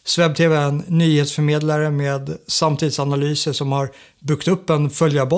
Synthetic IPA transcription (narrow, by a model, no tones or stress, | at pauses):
svɛb̚t̪ʰeːvɛɛnːyːheːt̪sfœɾmeːd̪laɾəmeːd̪samːt̪ʰiːd̪sanalyːsəʂɔmhaɾ | bʏkt̪ɵpːɛnfœljabɔ